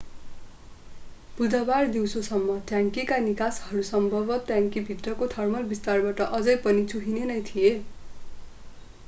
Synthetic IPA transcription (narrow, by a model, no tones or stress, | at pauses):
b̥ud͡zabard̪iwsosʌmːʌt̪jaŋkikanikashʌɾusʌmbʱʌbʌt̪jãŋkibʱit̪rʌkot̪ʰʌrmʌlbist̪arbaʈʌʔʌd͡zʌjpʌnit͡suɦinenʌjt̪ʰije